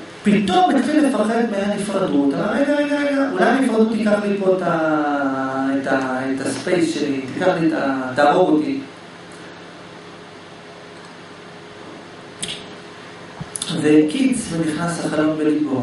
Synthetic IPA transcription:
pit̪omit̪lilefaχetmejanifʁad̪ut̪amaʁejɡaeɡaeɡaʔulajnifʁad̪ut̪ikaχlipoet̪a | et̪aet̪aspejsʃelit̪ikaχlit̪at̪aʁot̪i | vekidsmeniχnasaχalonbeliko

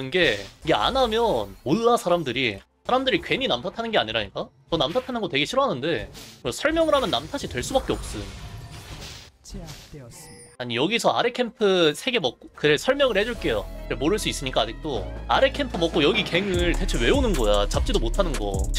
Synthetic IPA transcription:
ɯnɡe̞iɡe̞a̰namjʌnmoɭːasʰaɾamdɯɾisʰaɾamdɯɾikɥe̞ɲinamtʰatʰanɯnɡe̞aɲiɾaɲik͈a | tʌnamtʰatʰanɯnŋɡʌtwe̞ɡeɕʰiɾoɦanɯnde̞ksʰʌɭmjʌŋɯɾɦamjʌnːamtʰaɕʰitwe̞ɭs͈ubak͈e̞ʌp̚s͈ɯ | aɲijʌɡisʰʌa̰ɾekʰe̞mpʰɯsʰe̞ɡe̞mʌk̚k͈okɯɾesʰʌɭmjʌŋɯɭhe̞d͡ʑuɭk͈e̞joɾemoɾɯɭs͈uis͈ɯmɲik͈aːd͡ʑik̚t͈oaɾekʰe̞mpʰɯmʌk͈ojʌɡike̞ŋɯɭte̞t͡ɕʰewe̞onɯnɡʌjat͡ɕap̚t͡ɕ͈idomotʰanɯnɡʌ̰

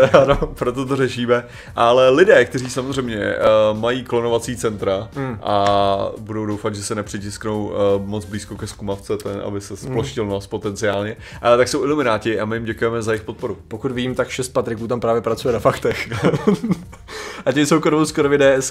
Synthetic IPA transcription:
anopɾot̪ot̪̬orɛʃiːmɛ | ʔalɛlɪdɛːkt̪ɛriːsamozr̝ɛjmɲɛ̰majiːklonovat͡siːt͡sɛnt̪ɾaʔa̰budowdowfatd̪ʒɛsɛnɛpr̝̥ɪcɪsknowmod͡zbliːskokɛskumaft͡sɛt̪ɛnʔa̰bɪsɛsploʃcɪlnospot̪ɛnt͡sɪaːlɲɛ | ʔaɛt̪akso̞wʔɪlumɪnaːcɪʔamɪjɪmɟɛkujɛmɛzajɪxpot̪̚po̞ɾupokut̪viɟiːmt̪akʃɛst̪̚pat̪ɾɪkuːt̪ampɾaːvjɛpɾat͡sujɛnafakt̪ɛx | ʔacɛmsowkoɾovowskoɾovɪdɛːɛs

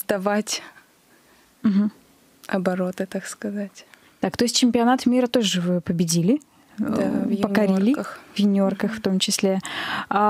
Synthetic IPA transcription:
zd̪ɐvatʲ | m̩ɦm̩ | ɐbɐɾot̪ɨt̪akskɐzatʲ | t̪akt̪oɪsʲt̚ʲt͡ɕɪmʲpʲɪɐnat̪mʲiɾət̪o̞ʐɨvɨpəbʲɪdʲilʲɪ | d̪avjpənkɐɾʲilʲɪkxvjɪnʲorkəxft̪o̞mt͡ɕɪsʲlʲea

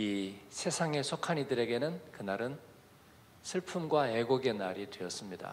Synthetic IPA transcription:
isʰe̞sʰaŋe̞sʰokʰaɲidɯɾe̞ɡe̞nɯnkɯnaɾɯn | sʰɯɭpʰumɡwae̞ɡoɡe̞naɾidwe̞ʌs͈ɯmɲida̰

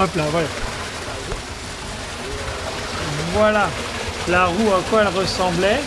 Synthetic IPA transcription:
aplavwaja | vwala | laʁuakwaɛlʁəsɑ̃blɛ

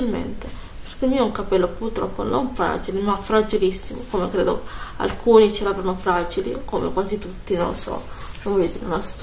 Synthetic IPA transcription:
ilmḛnt̪e | peɾkelmiːouŋkapɛlːopurt̪ɾɔ̰pːo̰no̰ɱfɾa̰ːd͡ʒilemafɾad͡ʒilisːimokomekɾeːd̪o̰a̰lkʰuːnit͡ʃɛɾavɾanofɾad͡ʒilḭkomḛkwaːzit̪ut̪ːino̰lːosɔ̰nõvɔjod̪iːɾḛmast̪

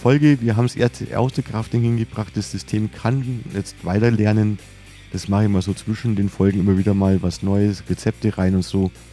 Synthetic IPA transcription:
fɔlɡəviːɐɦaːbm̩sʔḛɐstəʔɛ̰ɐstəkʁ̥aftdɪnhɪnɡəbʁaχt̚d̥asz̥ʏstʰeːmkʰanjɛt͡stv̥aɪtɐlɛɐnən | d̥asmaχəçmaːlzoːt͡sv̥ɪʃn̩deːnfɔlɡŋ̩ʔɪmɐviːdɐmaːlvasnɔʏəsʁɛt͡sɛp̚təʁaɪnʊntz̥oː

